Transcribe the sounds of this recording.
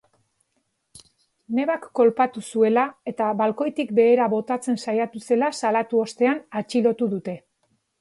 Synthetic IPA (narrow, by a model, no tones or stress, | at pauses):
ne̞βakːo̞lpat̪usue̞lae̞t̪aβalko̞jt̪ik̚be̞ːɾaβo̞t̪at͡se̞nsajat̪use̞lasalat̪uo̞st̪e̞anat͡ʃilo̞t̪uðut̪e̞